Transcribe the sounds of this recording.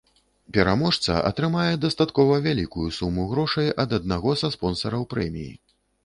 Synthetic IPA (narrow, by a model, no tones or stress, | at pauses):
pʲɛɾamɔʂt̪sɐ̰ʔɐ̰t̪ɾɨmajɛd̪ɐst̪at̪kɔvɐvʲalʲikujusumuɣɾɔʂɐjʔɐd̪ɐd̪̚naɣɔsɐspɔnsɐɾɐwpɾɛmʲḭjḭ